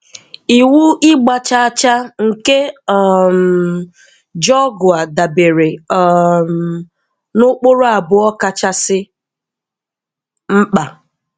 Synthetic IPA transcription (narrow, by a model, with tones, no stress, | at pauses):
i˨wu˦ʔɪ˦ɡ͡ba˨t͡ʃa˦a˦t͡ʃa˦ŋ̩˨ke˦m̩ | d͡ʒɔ˦ɡʊ˨a˨da˨be˨ɾe˨˦ | m˨ | nʊ˦k͡pʊ˦ɾʊ˦a˨bʊ˨ɔ˦ka˦t͡ʃa˦sɪ˦ | m̩˦k͡pa˨